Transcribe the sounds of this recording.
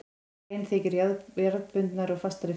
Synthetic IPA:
jnθeːjcɪɾjaðjaɾðpʏnt̪naɾɔɣfast̪aɾɪ

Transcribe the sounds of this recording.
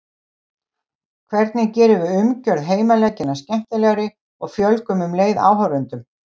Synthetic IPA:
kʰvɛɾt̪nɪcɛːɾɪvɪʏmcœɾðɦeːjmalɛcːɪnːascɛm̥t̪ɪlɛːɣaɾɪ | ɔɣfjœlkʏmʏmleːjða̰ːwɦœwɾʏnt̪ʏm

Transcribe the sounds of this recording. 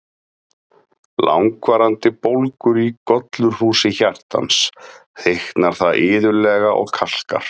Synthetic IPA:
la̰wŋkvaːɾant̪ɪpowlkʏɾikɔt̪lʏɾ̥huːsɪçar̥t̪a̰nsθehknaɾ̥θaðʔɪːðʏlɛɣaʔɔ̰ɣkʰal̥ka̰ɾ̥

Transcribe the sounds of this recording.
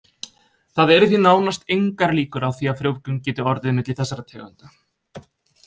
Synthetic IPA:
θaðɛɾʏθinaːwnast̪ejŋkaɾliːkʏɾawθiafɾjowvkʏncɛːt̪ʏɔɾðɪðnʏt̪ɪθɛsːaɾat̪ʰɛːɣʏ̰nt̪ḁ

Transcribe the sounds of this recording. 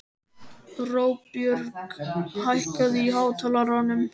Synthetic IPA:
roːwpjʏɾkhajhkaðɪiɦaːwt̪ʰalaɾanʏm

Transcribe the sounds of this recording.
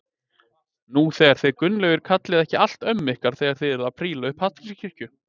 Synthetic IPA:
nuθɛːɣaɾ̥θeðkʏnlœɣʏɾ̥kʰat̪lɪðɛhcɪal̥t̪œmːɪhkaɾ̥θɛːɣaɾ̥θeɪjðɛɾðapʰɾiːlaʏhphat̪iscʰɪr̥cʏ

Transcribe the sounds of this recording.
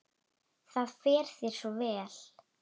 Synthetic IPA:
θaðfɛːɾ̥θɪɾ̥sɔvɛːl̥

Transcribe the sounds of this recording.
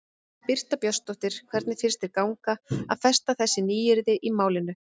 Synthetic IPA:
pɪr̥t̪apjɔst̪ɔht̪ɪɾ̥kʰvɛɾt̪nɪfɪɾst̪ɪɾkaːwŋkaa̰ðfɛst̪aθɛsːɪniːjɪɾðɪʔimaːwlɪnːʏ

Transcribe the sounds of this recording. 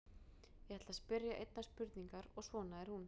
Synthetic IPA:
jɛɣhɛt̪laspɪɾjaʔejt̪naspʏɾt̪niŋkaɾɔɣsvɔːnaɛɾ̥hun

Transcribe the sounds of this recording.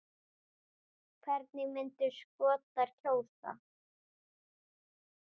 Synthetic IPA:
kʰvɛɾt̪nɪɣmɪnt̪ʏskɔːt̪aɾ̥cʰoːwsa̰

